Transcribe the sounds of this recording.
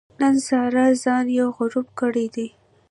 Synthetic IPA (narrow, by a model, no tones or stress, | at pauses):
nənsɑɾazɑnjawɣʊɾubkəɽid̪i